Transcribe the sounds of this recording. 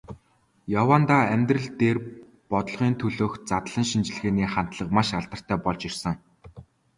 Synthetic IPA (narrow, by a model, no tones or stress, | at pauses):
jawaːnt̪aːæmʲt̪rɘ̆ɮt̪eːr | pɔt̪ɞ̆ɮʁiːnt̪ʰɵɮoːxt͡sat̪ɮə̆ŋʃint͡ɕ̆ɮɣeːniːχan̥t̪ɮə̆qmaʃaɮt̪ə̆r̥t̪ʰæːpɔɮt͡ɕirsə̆ŋ